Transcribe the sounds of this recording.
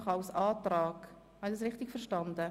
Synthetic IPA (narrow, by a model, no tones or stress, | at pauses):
χɑlsɑːtɾɑːɡ | hɑndɑs̬ɾɪχtɪɡ̥fɛɾʃtɑndə